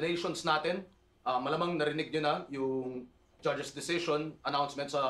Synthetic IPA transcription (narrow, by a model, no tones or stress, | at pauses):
nɛjʃonsnaːt̪ɪn | ʔɐmɐlɐmɐŋnɐɾɪnɪɡ̚ɲʊnɐjʊŋ | d͡ʒɐd͡ʒɛsd̪ɪsɪʃonʔɐnawnsmɛnt̪sɐ